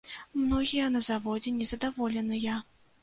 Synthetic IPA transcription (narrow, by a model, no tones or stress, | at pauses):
mnɔɣʲijɐnɐzavɔd͡zʲɛnʲɛzɐd̪avɔlʲɛnɨja